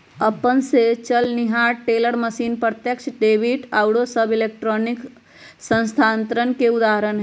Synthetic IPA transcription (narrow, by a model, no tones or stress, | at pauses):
əpənset͡ʃəlniɦaʈeləɾməsinpɾət̪jəkt͡ʃʰɖebiʈaʊɽosəbilek̚ʈɾonik | sə̃ñst̪ʰant̪ɾənkeud̪aɦəɾənɦ